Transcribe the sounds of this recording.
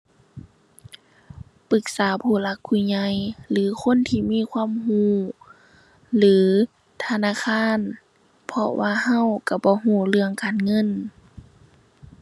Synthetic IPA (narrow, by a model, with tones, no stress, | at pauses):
pɯ˧˦k̚saː˨˦pʰuː˧˩la˧˥kʰːu˧˩ɲa˧˩jlɯː˨˦kʰo˧˥˨nt̪ʰiː˧˨miː˧˥˨kʰwaː˧˥˨mhuː˧˥˩ | lɯː˨˦ | t̪ʰa˧naː˧˥˨kʰaː˧˥˨n | pʰɔ˧wʔaː˧˨ɦa˧˥˨wka˧˩bɔː˧˦ɦuː˧˩lɯ˧˩əŋkaː˨nŋɤ˧˥˨n